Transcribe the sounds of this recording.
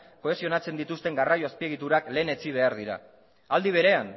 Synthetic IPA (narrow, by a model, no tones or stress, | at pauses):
ko̞e̞sio̞nat͡se̞nd̪it̪ust̪e̞ŋɡarajoaspie̞ɣ̞it̪uɾakle̞ːne̞t͡siβ̞e̞aɾð̞iɾa̰ | ald̪iβ̞e̞ɾe̞an